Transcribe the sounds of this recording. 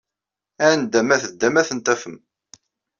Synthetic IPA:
ænd̪æmæθəd̪ːæmæθənt̪æfəm

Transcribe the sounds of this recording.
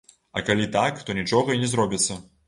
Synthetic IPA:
ɐ̰kalʲit̪akt̪ɔnʲit͡ʂɔɣɐinʲɛzɾɔbʲit̪sːɐ

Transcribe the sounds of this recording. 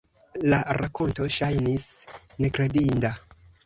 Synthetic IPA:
laɾako̞nto̞ʃajnis | ne̞kɾe̞dinda

